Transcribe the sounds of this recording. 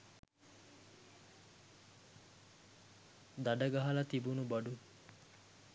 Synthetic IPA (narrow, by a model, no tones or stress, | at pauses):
d̪ɐɖɐɡɐɦɐlɐt̪ibunubɐɖu